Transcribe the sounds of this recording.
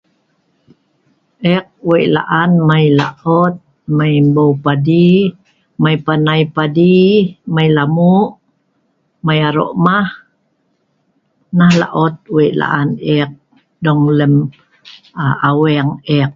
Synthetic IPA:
ʔɛk̚weʔla̰ʔanmajlaʔɔt̪̚ | majmbowpadi | majpanajpadimajlamuʔ | majaɾo̰ʔmah | nahla̰ʔɔt̪̚weʔla̰ʔanɛk̚ | dɔŋləm | awɛŋɛk̚

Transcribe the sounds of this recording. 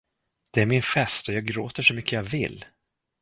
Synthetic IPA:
d̪̥ɛæɾmɪnfɛst̪ɔjɑːɡ̚ɡɾoːt̪əʂɔmʏkʰːəjɑvɪ̰lː

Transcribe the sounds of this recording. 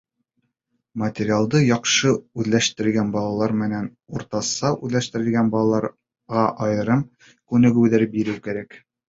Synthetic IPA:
mɐt̪ʲeɾʲialˠd̪ɤjɒqʃɤʉðlæʃt̪ɘ̆ɾlɡænbɒlˠɑlˠɑɾmɘ̆næn | uɾt̪ɑsɑʔʉðlæʃt̪ɘ̆ɾɘ̆lɡænbɒlˠɑlˠɑɾ | ʁɑʔɒjɤ̆ɾɤm | kʉnɘ̆ɡʉwðæɾbiɾɘwkæɾæk

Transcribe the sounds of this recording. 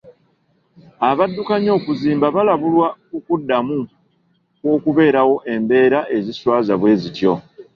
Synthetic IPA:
aβadːukaɲo̞ːkuziːmbaβalaβulwaukudːamu | kwo̞ːkuβe̞ːɾawo̞ʔe̞mbe̞ːɾaʔe̞ziswaːzaβwe̞ːzitjo̞

